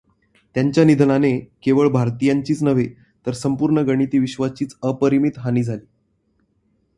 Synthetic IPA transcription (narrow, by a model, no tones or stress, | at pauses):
t̪jaɲt͡ɕjanid̪ʱnanekeʋəɭbʱaɾt̪ijaɲt͡ɕiːt͡snəʋe | t̪əɾsəmpuɾɳəɡəɽ̃it̪iːʋiɕʋat͡ɕiːt͡səpəɾimit̪ɦaniːd͡zʱaliː